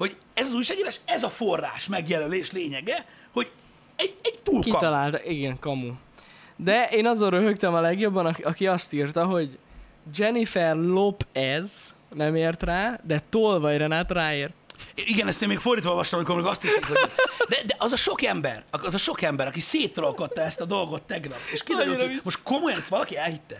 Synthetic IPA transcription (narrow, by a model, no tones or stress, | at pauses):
ho̞ɟ | ɛzɒzuːjʃaːɡiːɾaːʃɛzɒfo̞rːa̰ːʃmɛɡjɛlɛleːʃleːɲɛɡɛ | ho̞ɟ | ɛɟɛɟt̪uːlkit̪ɒlaːlt̪kiɡɛŋkɒmu | d̪ɛʔeːnɒzoɾøɦøkt̪ɛmɒlɛɡjo̞bːɒnɒɒkiɒst̪iːrt̪ɒɦo̞ɟ | d͡ʒɛnifɛrlopɛz | nɛmeːrt̪raːd̪ɛt̪oːlvɒjrɛnaːt̪raːeːrt̪iɡɛnɛst̪eːmeːkford̪iːt̪ʋɔolvɒʃt̪ɔmmikormeːɡɒst̪iɾt̪ekhod̪ɛd̪ɛʔɒzɒʃo̞kɛmbɛ̰rɒkɒzɒʃo̞kɛmbɛɾɒkiseːt̪rolkot̪ːɒɛst̪ɒd̪o̞lɡot̪ːɛɡnɒpːeʃkijomo̞ʃt̪komojɒnsʋɒlɒkiɛlhit̪ːɛ